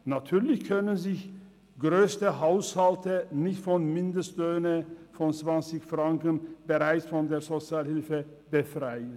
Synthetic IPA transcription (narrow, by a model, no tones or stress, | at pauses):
natʰyːɐlɪçkʰœnənzɪç | ɡ̥ʁøːstəɦaʊshaltənɪçtfɔnmɪndəstløːnəfɔnt͡sv̥ant͡sɪçfʁ̥aŋkənb̥əʁaɪt͡sfɔndeːɐzot͡sjaːlhɪlfə | b̥əfʁaɪən